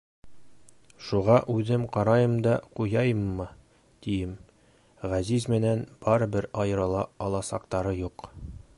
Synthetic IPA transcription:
ʃuʁɑʔʉðɘmqɒɾɑjɤmd̪ɑqujɑjmːɤ | d̪̥ijɘm | ʁæzizmɘ̆nænb̥ɒɾɤ̆bɘɾɑjɤ̆ɾɤ̆lˠɑɒlˠɑsɑqt̪ɑɾɤjuq

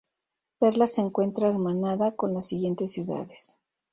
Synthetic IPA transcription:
peɾlaseːŋkwe̞nt̪ɾaeɾmanaðako̞nlasːiɣje̞nt̪e̞sːjuða̰ðe̞̥s

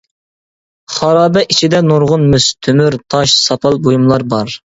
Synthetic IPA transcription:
χɑɾɑːbɛʔit͡ʃʰid̪ɛnoɾʁʊnmyst̪ʰømyɾt̪ʰɑʃsɑpʰɑlˠbojumlˠɑɾbɑɾ

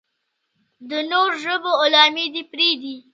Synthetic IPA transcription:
d̪ənoɾʒəboːlɑmid̪ipɾid̪i

